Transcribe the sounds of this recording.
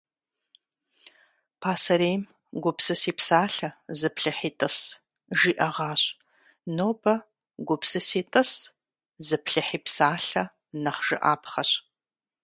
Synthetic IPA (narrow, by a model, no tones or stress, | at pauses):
pʰaːsɐɾeːjm | ɡʷʊpsɨsiːpsaːɬɐzɨpʰɬɐħiːtʼɐs | ʒiːʔɐʁɑːɕ | noːbɐ | ɡʷʊpsɨsiːtʼɐs | zɨpɬɐħiːpsaːɬɐ | nɐχʒ̥ɨ̰ʔa̰ːpχɐɕ